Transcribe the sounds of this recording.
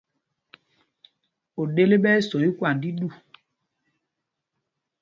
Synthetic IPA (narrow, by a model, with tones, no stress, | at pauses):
o˨ɗe˦le˦ɓɛ˦sɔ˨i˦kwa˨ndi˦ɗu˦˨